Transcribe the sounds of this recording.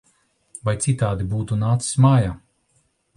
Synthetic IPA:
vajt̪sit̪aːd̪ibuːt̪unaːt̪si̥smaːjaː

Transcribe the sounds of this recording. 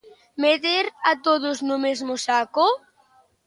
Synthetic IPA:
met̪eɾat̪oðʊznʊmezmʊsakʊ

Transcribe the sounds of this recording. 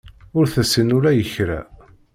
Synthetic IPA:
ʊɾθæsənʊɾæjəçɾæ̰

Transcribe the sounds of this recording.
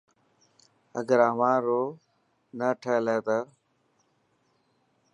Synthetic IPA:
əɡəɾəmãːɾoː | nəʈʰeːleːt̪əː

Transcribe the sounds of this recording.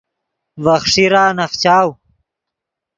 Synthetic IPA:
vɐχʂiɾaːnɐχt͡ɕaːw

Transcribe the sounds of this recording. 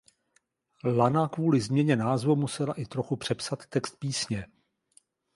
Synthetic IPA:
lanakvuːlɪzmɲɛɲɛnaːzvumusɛlaʔɪt̪ɾo̞xupr̝̥ɛpsat̪ːɛkst̪̚piːsɲɛ

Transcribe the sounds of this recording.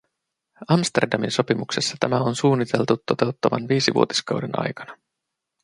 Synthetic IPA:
ɑmst̪e̞̰rdɑminso̞pimuksesːɑt̪æmæo̞nsuːnːit̪ʰe̞lt̪ut̪ːo̞t̪e̞wt̪ːɑʋɑ̰nʋiːsiʋṵot̪i̥skɑwdenʔɑ̰jkɑnɑ

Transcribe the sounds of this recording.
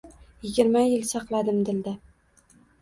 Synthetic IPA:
jɪɡʲɪɾmajɪlsɑqlˠad̪ɪmd̪ɪld̪ɪ

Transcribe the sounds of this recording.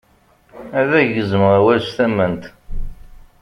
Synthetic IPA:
æðæʝəzəmʁæwælsθæmːənt̪

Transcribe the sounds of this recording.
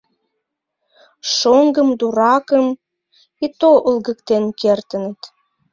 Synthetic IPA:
ʃoŋɡəmd̪uɾɑkəm | it̪oʔəlɣəkt̪enkert̪ənət̪

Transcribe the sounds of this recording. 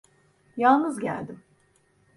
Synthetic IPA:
jalˠnɯzɟæ̰lʲd̪ɪm

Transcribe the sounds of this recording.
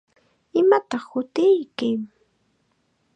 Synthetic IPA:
ɪmat̪ɑχhʊt̪ɪjkɪŋ

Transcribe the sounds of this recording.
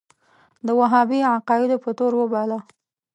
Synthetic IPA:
d̪əwaɦɑbiʕaqɑɪd̪opət̪oɾwəbɑla

